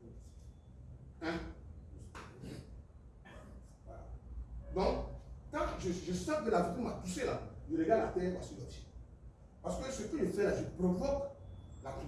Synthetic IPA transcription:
ɛ̃ | wala̰d̪ɔ̃kkãʒəʒəsãkəlavit̪ũmat̪uselaʒəɾeɡallat̪ɛasilɔt̪i̥ | paskøsøkəʒəfɛlaʒəpɾovɔklakɔ̃

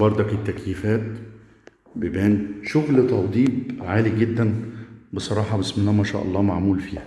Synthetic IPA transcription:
bɑɾˤd̪ˤɑket̪ːækjifæːt̪ | bɪbæːnʃʊɣlt̪ɑwd̪ˤiːbʕaːliɡɪd̪ːænbesˤɑɾˤɑːħɑbɪsmenːæmæʃæ̰ːʔɑ̰lˤːɑːmaʕmuːlfiːhæ

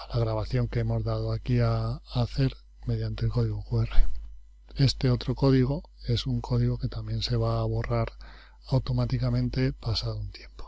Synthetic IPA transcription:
laɣ̞ɾaβ̞aθjo̞ŋke̞emo̞zðaðoakiaːθe̞ɾ | me̞ð̞jant̪elko̞ðiɣokuere | e̞st̪e̞o̞t̪ɾo̞ko̞ðiɣ̞o | e̞suŋkʰo̞ðiɣ̞oke̞t̪amje̞nse̞β̞aːβ̞o̞raɾ | awt̪o̞mat̪ikamẽ̞nt̪e̞pasaðount̪je̞mpo̥

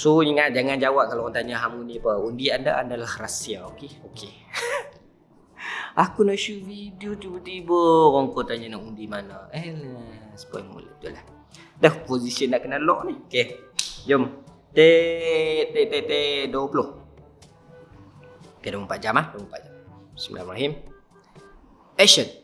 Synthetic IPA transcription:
soiŋaʔd͡ʒaŋand͡ʒawaʔ̚kaloɣant̪aɲaɦamunĩpəundianda̰ʔa̰ndalahrasiaokeokʰe | akunaʔʃuvidiot̪ibət̪ibəɣɔŋkɔt̪aɲanaʔundimana̰ɛlɛsə̥pa̰jmṵlṵʔt̪ulah | dəhpozisiənaʔkənalɔ̰ʔnihokejom | t̪e | t̪ɛt̪et̪eduwpəloh | okedompat̪̚d͡ʒamahduwmpat̪̚d͡ʒamsmḭla̰mɾaɦim | pɛʃən

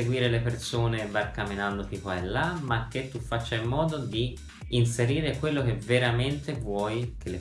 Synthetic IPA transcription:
eɡwiːɾelepersoːnevarkamːinand̪ot̪ikwaɛlːamak̟ːet̪ːufːat͡ʃːaimːɔːd̪od̪iː | nseɾiːɾekwelːok̟eveɾament̪evwɔːjkʰelːe

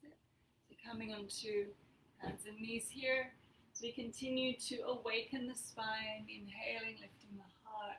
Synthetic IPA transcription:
sɨkʰʌmɪ̃ŋɨ̃ntʰʉ | hæ̃nzɨ̃nːiz̥hiɹsowikʰɨ̃ntʰɪ̃njʉd̚tʰɨʔəweɪkʰɨ̃nðɨspãɪ̃nɨ̃nɦeɪlˠɪ̃ŋlɪftɪ̃ŋðəhɑɹt

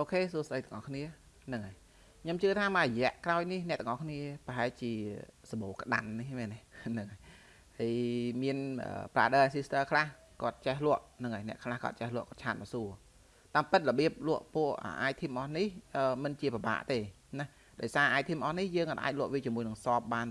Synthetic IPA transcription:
ʔoːkʰeːsuəsɗəjt̪əŋʔɑhkʰniə | nɨŋaj | kʰɲomt͡ɕɨət̪ʰaːmarəjɛ̆əʔkraɔjnihnɛ̆ət̪ɔŋʔɑhkʰniəpəɦaɛlt͡ɕiəsɑɓoːkə̆ɗa̰nːihmɛnenɨŋaj | həjmiənʔə̰ːpraːɗəʔasist̪əːkʰlah | kŏət̪̚t͡ɕehlʊ̆əʔnɨŋajnɛ̆əʔkʰlahko̰ə̰t̪̚t͡ɕehlʊ̆əʔkɔət̚t͡ɕʰaːt̪̚mɑsuə | t̪aːmpɨt̪̚ləɓiəp̚lʊ̆əʔpuəʔʔə̰ʔaːjt̪ʰiəmʔɑhnihʔəːmɨnt͡ɕiəpaɓa̰ːʔt̪eː | nah | ɗaɔjsaːʔaːjt̪ʰiəmʔɑhnihjəːŋʔat̪ʔa̰ːc̚lʊ̆əʔʋiət͡ɕiəmuəjnɨŋsɑːp̚ɓaːn

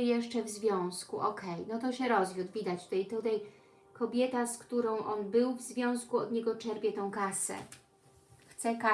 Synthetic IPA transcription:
jɛʂt͡ʂɛvzvʲjɔ̃w̃skuʔɔkʰɛjnɔt̪ɔɕɛɾɔzjud̪vʲid̪at͡ɕt̪ut̪ɛjt̪ut̪aj | kɔbʲjɛt̪askt̪uɾɔ̃w̃ʔɔnbɘwvzvʲjɔ̃w̃skuɔd̪ɲɛɡɔt͡ʂɛɾpʲjɛt̪ɔ̃w̃kasɛ̰ | xt̪sɛka

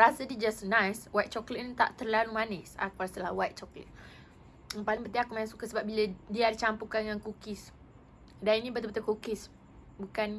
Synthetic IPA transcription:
ɾasədid͡ʒasnãjswat̪̚t͡ʃɔklitt̪a̰ʔt̪ərlalumanisa̰kuɾasəlawat̪̚t͡ʃɔklḭt̪̚ | ŋpaliŋbət̪iakumanisukasəbap̚biladiadit͡ʃampukaŋankukɪs | daninĩbət̪əbət̪əkukɪs | bukan

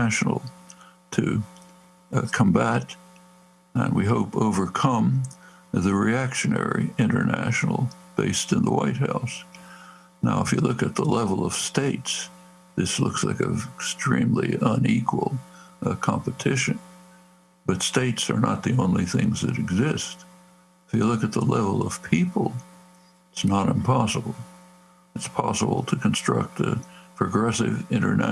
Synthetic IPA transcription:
æʃn̩l̩ˠtʰɨ | kʰə̃mbæt | ə̰̃nwiɦoʊpoʊvə˞kʰʌ̃m | ðɨɹiækʃɨnɛ̰ɹiɪ̃ñə̰˞næ̰ʃnl̩ˠb̥eɪstɨ̃nðəwaɪt̚haʊs | naʊəfjɨlʊkɨt̪̚ðəlɛvl̩ˠʌv̥steɪts | ðɪslʊ̰ksla̰ɪkʌkstɹ̥ĩmliə̃nikʰwəl̩ˠkʰɑ̃mpɨtʰɪʃɨ̃n | b̥ʌtsteɪtsə̰˞nə̰t̪̚ðiõʊ̃nliθɪ̃ŋzðɨ̰ɾɨɡzɪst | ɨfjɨlʊkɨt̪̚ðəlɛvl̩ˠʌv̥pʰipl̩ˠ | ɪtsnəɾɨ̃mpʰɑsəbl̩ˠ | ɨtspʰɑsəbl̩ˠtʰɨkʰɨ̃nstɹ̥ʌ̰k̚tɨ̰pʰɹ̥ɨɡɹɛsɨvɪ̃ɾ̃ə̰˞næ

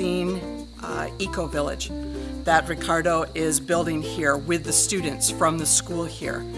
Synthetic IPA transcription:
ĩn | ikoʊvɪlˠɪ̰̥d͡ʒðɨt̚ɹɨkʰɑɹɾoʊʔɪzbɪlˠdɪ̃ŋhiɹwɪðɨstʉdⁿn̩tsfɹʌ̃mðɨskulˠhḭɹ

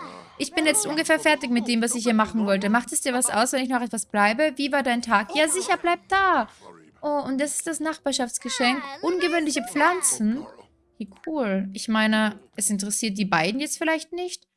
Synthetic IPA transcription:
ʔɪçb̥ɪnjɛt͡stʔʊnɡəfɛːɐfɛɐtɪç̬mɪt̚d̥eːmvasɪçhiːɐmaχn̩vɔlt̬əmaχtɛsd̥iːɐvasʔa̰ʊsvɛnɪçnɔχɛtv̥asb̥laɪbəviːvaːɐdaɪntʰaːkjaːzɪçɐblaɪp̚t̚d̥aː | ʔoːʊnt̚d̥asɪ̥std̥asnaχb̥aːɐʃaft͡sɡ̥əʃɛŋkʔʊnɡəvøːnlɪç̬əp͡flant͡sn̩ | hiːkʰuːlʔɪçmaɪnəʔɛsɪnt̬əʁɛsiːɐt̚d̥iːbaɪdn̩jɛt͡stfɪlaɪçtnɪçt

